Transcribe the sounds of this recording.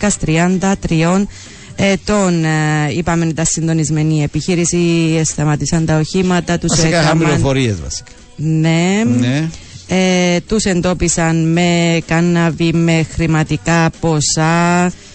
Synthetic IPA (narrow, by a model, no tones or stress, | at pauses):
kɐst̪ɾiɐnd̪ɐt̪ɾio̞n | et̪o̞nipɐmend̪ɐsːind̪o̞nizme̞nie̞piçiɾisiest̪ɐmɐt̪isɐnt̪ɐoçimɐt̪ɐt̪usekɐɐmlionfoɾiezvɐ̰si̥kɐ | nen | et̪use̞nd̪o̞pisɐnme̞kɐnːɐvime̞xɾimɐt̪ikɐpo̞sɐ